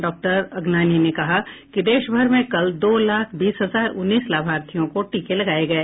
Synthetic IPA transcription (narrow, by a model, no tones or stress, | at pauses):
ɖɔːk̚ʈəɾɐɡnaːninekɐɦakid̪eːʃbʱɐɾmẽkɐld̪oːlaːkʰbiːsɦɐzaːɾʊnːiːslaːbʱaːɾt̪ʰijõkoʈiːkelɐɡaːeɡɐeː